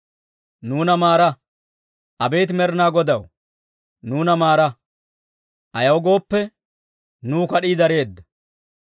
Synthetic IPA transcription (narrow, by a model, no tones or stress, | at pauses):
nuːnɐmaːɾɐ | ʔɐbe̞ːt̪ɪmɛɾnaːɡɔd̪ɐw | nuːnɐmaːɾɐ | ʔɐjɐwɡo̞ːpːɛ | nuːkɐɗiːd̪ɐɾe̞ːd̪ːɐ̥